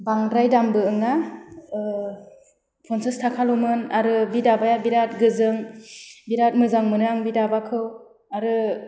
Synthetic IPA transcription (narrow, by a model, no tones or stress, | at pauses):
baŋɾajdambɯɯŋa | pʰɔnsɯstʰakʰalomɯnaɾɯbidabajabiɾat̚ɡɯzɯŋbiɾat̚mɯzaŋmɯnɯaŋbidabakʰɯw | aɾɯ